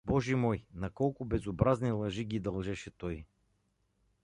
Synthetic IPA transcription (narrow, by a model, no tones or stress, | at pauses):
bɔʒimɔjnɐkɔlˠkʊbɛzobɾaznilˠɐʒiɡʲid̪ɐlˠʒɛʃɛt̪ɔj